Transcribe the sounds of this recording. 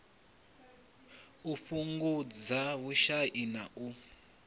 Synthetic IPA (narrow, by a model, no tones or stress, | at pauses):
uɸuŋɡud͡zawuʃaʔinaʔu